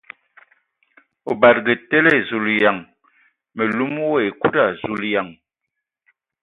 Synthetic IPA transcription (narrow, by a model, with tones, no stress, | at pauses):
o˨ba˨t̚ɡə˨te˦lɛ˦˨zu˨lja˨ŋ | me˨lu˦m˦wo˦e˨ku˦da˦˨zu˨lja˨ŋ